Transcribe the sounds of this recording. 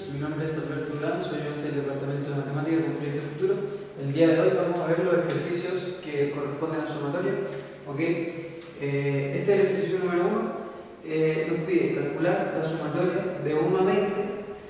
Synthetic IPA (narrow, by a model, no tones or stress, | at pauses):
minombɾeesalbeɾt̪oulansojoet̪eeld̪epaɾt̪ament̪oðemat̪emat̪ikaðelpɾojek̚t̪ofut̪uɾo | eld̪iaðeo̞jβamosaβeɾlo̞sexeɾsisjoskeko̞repo̞nd̪e̞nasumat̪oɾja | okej | eest̪eeleeeɾsis̬jonumeɾoun | enohpiðekalkulaɾlasumat̪o̞ɾjaðeunamẽnt̪e